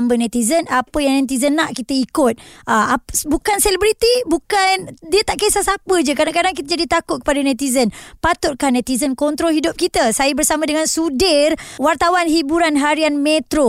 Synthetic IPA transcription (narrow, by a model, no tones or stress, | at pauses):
mbənãt̪izənapəjaŋnɛ̃t̪̬izənːaʔkit̪əikʊt̪̚ʔəabukansɛlibɾit̪ibukandiət̪aʔkajsasapəd͡ʒəkadakadaŋk̬it̪ad͡ʒadit̪akʊt̪̚kə̥padanãt̪izənpat̪ʊt̪̚kahnɛ̃t̪izənkɔnt̪ɾɔlɦidʊp̚kit̪əsajəbərsamãdəŋãnsudɪrwart̪awanɦibuɾanɦaɾianmẽt̪ɾo